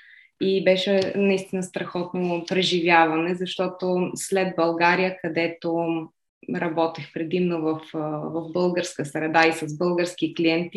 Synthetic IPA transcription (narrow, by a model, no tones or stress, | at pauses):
ibɛʃɛnɐist̪inəst̪ɾɐxɔt̪nopɾɛʒivʲjavɐnɛzɐʃt̪ɔt̪oslɛd̪̚bɐlˠɡaɾijəkɐd̪ɛt̪o | ɾɐbɔt̪ixpɾɛd̪imnovɐfvɐvbɤlˠɡəɾskəsɾɛd̪aisɐzbɤlˠɡəɾsk̟ikliɛnt̪